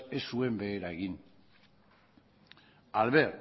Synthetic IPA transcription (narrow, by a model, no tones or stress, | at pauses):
e̞sːue̞mbe̞ːɾaeɣin | alβe̞ɾ